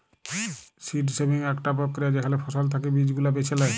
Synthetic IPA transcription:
siʈsebʱiŋɛkʈap̬ɔkɾijad͡ʒekʰalepʰɔsɔlt̪ʰakebid͡ʒɡulabet͡ʃʰelaj

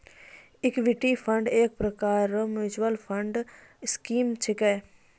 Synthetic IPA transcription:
ɪkʋɪʈipʰə̃ɳɖeːk̚pɾɐkaːɾomɪd͡ʒʋəlpʰɐɳɖɪskiːmt͡ʃʰɪkɛː

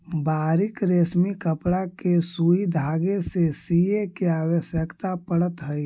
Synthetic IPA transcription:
baːɾɪkɾeːsmikəpɽakesuːid̪ʱaːɡesesiːekiaːwəsjəkt̪apəɽət̪ɦəi

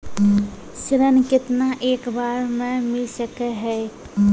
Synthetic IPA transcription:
sɪɾənkɪt̪naʔeːkbaːɾmẽmɪlsəkeɦɛː

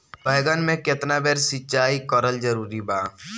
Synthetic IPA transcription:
bəːjɡənmẽkɪt̪nabeɾsɪt͡ʃaːikəɾəld͡ʒəɾuːɾibaː

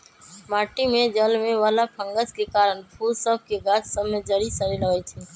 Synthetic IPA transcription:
maːʈimẽd͡ʒəlmẽʋaːlapʰə̃ŋɡət͡ʃkekaːɾəɳpʰulsəb̚ʱkeɡad͡ʒsəmẽd͡ʒəɽisəɾeɾəɦət͡ʃʰɛː

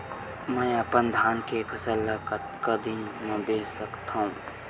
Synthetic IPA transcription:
mə̃jəpənd̪ʱaːnkepʰəsəlːak | kad̪ɪnmə̃beːsəkt̪ʰaɦũː

